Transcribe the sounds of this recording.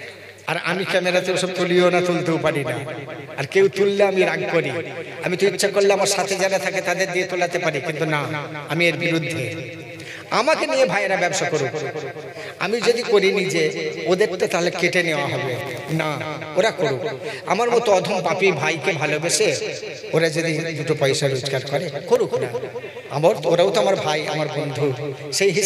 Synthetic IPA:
a̰ɾa̰mikɛmeɾat̪eoʃɔb̚t̪olijonat̪olt̪ewpaɾina | aɾkewt̪ulːeamiɾaɡkoɾia̰mit̪oitːʃʰakoɾlːamaɾʃat̪ʰed͡ʑaɾat̪ʰaket̪ad̪eɾd̪iet̪olat̪epaɾikint̪unaamieɾbiɾud̪ʱːe | amakeniebʱaeɾabɛbʃakoɾuk | a̰mid͡ʒod̪ikoɾinid͡ʑeod̪ekt̪et̪aɦɔlekeʈeneoaɦɔbe | na | oɾakoɾuka̰maɾmɔt̪oɔd̪ʱumpapibʱajkebʱalobeʃe | oɾad͡ʒod̪id̪uʈopɔjsaɾud͡ʒkaɾkɔɾekoɾuk | a̰moɾoɾaot̪oamaɾbʱaja̰maɾbond̪ʱuʃejɦi

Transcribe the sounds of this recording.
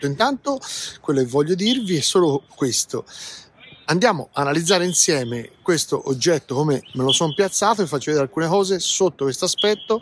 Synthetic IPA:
oint̪ant̪okwelːokevːɔʎːod̪irviɛsːoːlokwest̪o | and̪jaːmoʔaːnalid̪zːaːɾeinsjɛːmekwest̪oʔod͡ʒːɛt̪ːokoːmemelosɔmpjat̪sːaːt̪oefːat͡ʃːovɛd̪eɾalkuːnekɔːzesot̪ːokwest̪oaspɛt̪ːo

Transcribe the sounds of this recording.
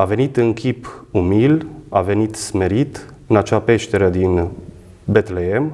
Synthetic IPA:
ave̞nit̪ɨŋkʰʲipumilave̞nit̪smeɾit̪ | ɨnat͡ʃape̞ʃt̪eɾəd̪in | be̞t̪lee̞m

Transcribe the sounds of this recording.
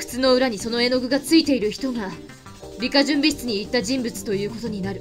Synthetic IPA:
kɯ̥t͡sɨno̞ɯ̟ɾaɲ̟iso̞no̞e̞no̞ɡɯ̟ɡat͡sɨit̪e̞iɾɯ̟çi̥t̪o̞ɡa | bʲikaʑɨ̃mbʲiɕi̥t͡sɨɲ̟iːt̪ːaʑĩmbɯ̟t͡sɨ̥t̪o̞jɯ̟ːko̞t̪o̞ɲ̟inaɾɯ̟

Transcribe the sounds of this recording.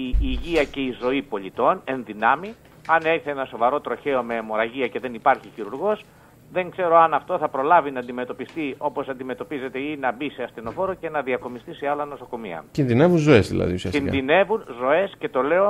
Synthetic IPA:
iːʝiɐce̞izo̞ipo̞ʎit̪o̞ne̞nðinɐmi | ɐneçθeenɐso̞vɐɾo̞t̪ɾo̞çe̞o̞me̞mo̞ɾɐʝiɐce̞ðe̞nipɐɾçiçiɾuɾɣo̞s | ðe̞ŋkse̞ɾo̞ɐnɐft̪o̞θɐpɾo̞lɐvinɐːnd̪ime̞t̪o̞pist̪io̞po̞sɐnd̪ime̞t̪o̞pize̞t̪e̞inɐbiseɐst̪ino̞fo̞ɾoce̞nɐðiɐko̞mist̪iseɐlɐno̞soko̞mḭɐ̰cinðine̞vunzo̞e̞zðḭlɐ̰ðiusiɐsinðine̞vunzo̞e̞sce̞t̪o̞le̞o̞

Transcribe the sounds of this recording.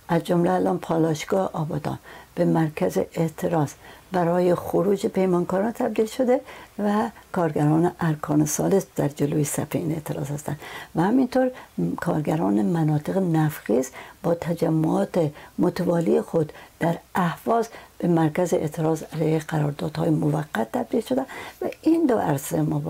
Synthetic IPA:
ʔæzd͡ʒomleælʔɒːnpʰɒːlɒʃɡɒːheʔɒːbɒːd̪ɒ̰ːnb̥emæɾkʰæzeʔet̪ʰeɾɒːzbæɾɒːjexoɾuːd͡ʒepʰe̞jmɒːnkɒːɾɒnt̪ʰæb̚d̪iːlʃod̪evækʰɒːɾɡæɾɒːneʔæɾkʰɒːnesɒːlesd̪æɾd͡ʒeloːjesæ̰feiːne̞̰t̪ʰeɾɒ̰ːzhæst̪ænd̪væhæmint̪ʰoɾkʰɒːɾɡæɾɒːnemænɒːt̪ʰeɣenæfxisbɒːt̪ʰæd͡ʒæmːoɒːt̪emot̪ʰævɒːliexod̪d̪̥æɾæhvɒːzb̥emæɾkæzeʔḛt̪ʰeɾɒːzælæjeɡæɾɒːɾd̪ɒːd̪̥hɒːjemovæɡːæt̪ːæb̚d̪iːlʃod̪evæind̪oʔæ̰ɾsemo

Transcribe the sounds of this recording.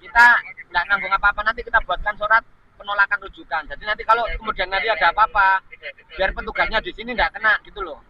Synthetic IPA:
kit̪andaʔnambʊŋapaːpanant̪̬ikit̪ab̥uatb̪̚kansuɾat̪̚ | pənolakanklud͡ʒut̪and͡ʒadinant̪̬ikalokəmudianɲadiadaapaːpa | b̥iaɾnpət̪uɡ̥asɲadisinindaʔkənaʔɡ̥it̪ulɔh

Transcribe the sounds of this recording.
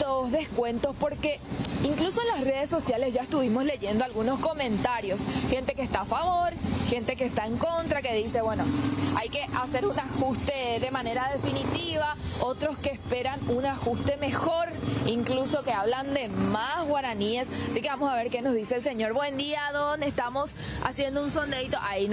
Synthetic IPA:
t̪ozðe̞skwe̞nt̪o̞spo̞ɾke̞iŋkluso̞enlasre̞ð̞e̞sːo̞sjale̞zʝaest̪uβimo̞sle̞ʝe̞nd̪oalɣuno̞sko̞mẽ̞nt̪aɾjo̞sxe̞nt̪ekeːst̪aːfaβo̞ɾxe̞nt̪e̞keːst̪aeŋko̞nt̪ɾake̞ðise̞βwe̞no̞ajke̞ʔase̞ɾunaxust̪e̞ðe̞mãne̞ɾaðe̞finit̪iβao̞t̪ɾo̞skeːspe̞ɾanunaxust̪e̞me̞xo̞ɾiŋkluso̞ke̞aβland̪e̞masɣwaɾanie̞sasike̞βamo̞saβe̞ɾke̞nozðiseːlse̞ɲo̞ɾβwe̞nd̪iaðonest̪amo̞s | a̰sje̞nd̪ounso̞nd̪ejt̪o̞ʔain

